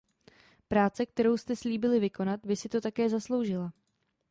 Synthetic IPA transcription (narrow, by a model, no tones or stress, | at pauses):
pɾaːt͡sɛk̚t̪ɛɾo̞wst̪ɛsliːbɪlɪvɪko̞nat̪bɪsɪt̪o̞t̪akɛːzaslo̞wʒɪla